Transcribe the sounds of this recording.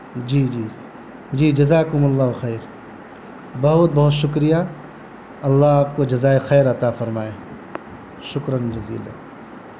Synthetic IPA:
d͡ʒiːd͡ʒiː | d͡ʒiːd͡ʒɐzaːkʊmɐlːaːɦʊxɛːɾ | bɐɦʊt̪̚bɐɦʊt̪ʃʊkɾija | ɐlːaɦaːp̚kod͡ʒɐzaːexɛːɾɐt̪afɐɾmaːeː | ʃʊkɾənd͡ʒɐzḭːla̰

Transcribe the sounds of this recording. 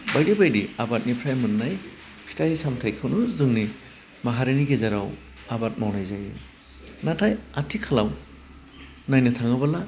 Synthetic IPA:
bajdibajdiabat̚nipʰɾajmɯnːaj | pʰi̥tajsamtʰajkʰɯwnuzɯŋni | maɦaɾiniɡezaɾaw | abat̚mawnajzaju | natʰajatʰikʰalaw | najnɯtʰaŋɯbɐla

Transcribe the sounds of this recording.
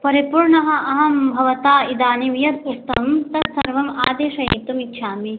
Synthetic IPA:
pɐɾipuːɾɳɐɦɐ̆ʔɐɦɐmbʱɐʋɐt̪aːid̪aːnimjɐt̪ust̪ɐ̰mt̪ɐt̪sɐ̰ɾʋɐma̰ːd̪eːʃɐjḛt̪umitːʃʰaːmi

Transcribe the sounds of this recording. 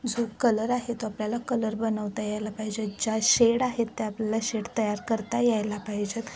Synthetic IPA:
d͡zokələɾaɦet̪oapljalakələɾbənəʋt̪ajajlapaɦid͡ʑet̪̚d͡ʑaɕeɽaɦet̪ːeapljalaɕeɽt̪əjaɾkəɾt̪ajajlapaɦid͡ʑet̪

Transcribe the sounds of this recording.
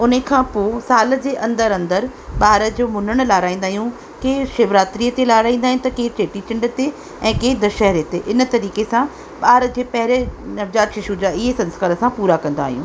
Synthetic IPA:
ʊnəkʰãpoːsaːləd͡ʑeːʔɐ̃nd̪əɾɐ̃nd̪əɾ | ɓaːɾə̆d͡ʑoːmʊnəɽ̃laːɾaːĩːnd̪aːɦijũ | keːʃeːʋɾaːt̪ɾiːət̪elaːɾaːĩːn̆d̪aːɦĩñt̪ɐkeːʈeːʈit͡ɕɪ̃ɳɖət̪e | ɛ̃ːkeːd̪əʃɛɦɾet̪eʔɪnə̆t̪ɐɾiːkesã | ɓaːɾə̆d͡ʑeːpɐɦɪɾenɐʋd͡ʑaːt̪ʃɪʃud͡ʑaːɪɦesɐ̃nskaːɾəsãpuːɾakɐ̃n̆d̪a̰ːɦijṵ̃ː

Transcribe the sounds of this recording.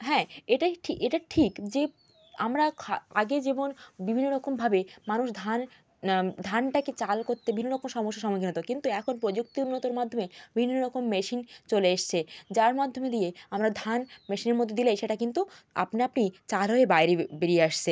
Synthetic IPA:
ɦɛ̃eʈaʈʰieʈaʈʰikd͡ʑe | a̰mɾakʰaaɡed͡ʑebonbibʱinːoɾɔkombʱabemanuʃd̪ʱan | d̪ʱanʈaket͡ɕalkoɾt̪ːebibʱinːoɾɔkomʃɔmoʃːaʃɔmkʰinot̪okint̪uɛkʰonpɾod͡ʑuk̚t̪iunːot̪oɾmad̪ʱomebibʱinːoɾɔkomːɛʃint͡ɕoleeʃt͡ɕʰed͡ʑaɾmad̪ʱːomed̪ijeamɾad̪ʱanmɛʃineɾmɔd̪ʱːed̪ilejʃeʈakint̪ua̰pniapnit͡ɕalɦoebajɾebeɾieaʃt͡ɕʰe

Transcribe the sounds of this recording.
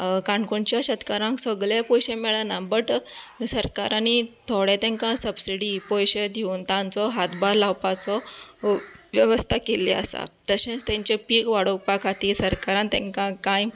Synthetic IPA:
kaɳkoɳt͡ɕjaɕət̪kaɾãŋksəɡɭapɔjɕemɛɭanambəʈsəɾkaɾanit̪ʰoɽɛt̪ɛ̃ŋkãsəbsiɽipɔjɕed̪ʱeunt̪ãnt͡sɔɦat̪baɾlawpat͡sɔ | ʋjəʋəst̪ʰakelia̰sa̰t̪əɕẽt͡st̪ɛ̃ɲt͡ɕepiːkʋaɽok̚pakʰat̪iːsəɾkaɾãnt̪ɛ̃ŋkãkãj

